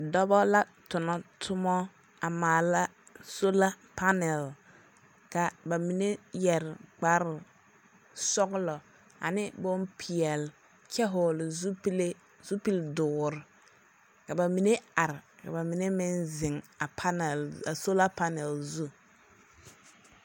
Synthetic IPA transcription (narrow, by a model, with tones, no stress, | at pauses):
dɔ˦bɔ˦la˦ | tʊ˨nɔ˨tʰʊ˦mɔ˦ | a˨maː˨la˦ | so˦la˦ | pa˦nɛ˨l | ka˨ba˨mi˨ne˦jɛ˨ɾɪ˨ɡ͡ba˦ɾɪ˨ | sɔ˦ɡlɔ˨ | a̰˨nɪ˦bɔ˦mpʰi˨ɛ˨l | kɛ˦ɦʊ˨lɪ˨zu˦le˦ | z̥u˦pi˦ldʊː˨ɾɪ˨ | ka˨ba˨mi˨˦ne˦a˨ɾɪ˨ka̰˨ba˨mi˨ne˦mɪ˦nzɪ˨ŋa˨a˦nɛ˨la˨so˦la˦pa˦nɛ˨lzu˦